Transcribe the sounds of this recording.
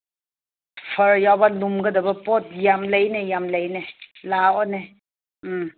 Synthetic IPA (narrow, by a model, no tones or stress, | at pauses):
pʰɐɾjawbalumɡɐdɐbɐpɔt̚jamlajnejamlajnelawɔne | m̩m